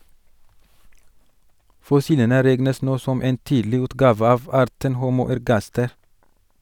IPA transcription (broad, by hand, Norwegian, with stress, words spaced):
fɔˈsiːlənə ˈɾɛɡnəs ˈnoː ˈsɔm ˈeːn ˈtiːdlɪ ˈʉːtɡɑːʋə ˈɑːʋ ˈɑːɾtən ˈhuːmuː æɾˈɡɑstɛɾ